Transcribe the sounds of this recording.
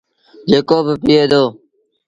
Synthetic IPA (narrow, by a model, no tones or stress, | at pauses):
d͡ʒeːkoːbəpiːeːd̪oː